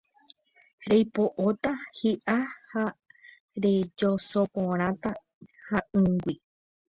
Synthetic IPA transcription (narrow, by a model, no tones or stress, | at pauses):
ɾejpoʔot̪ahiʔaha | ɾe̞d͡ʒosopõɾ̃ãt̪a | haɨ̃ŋɡʷi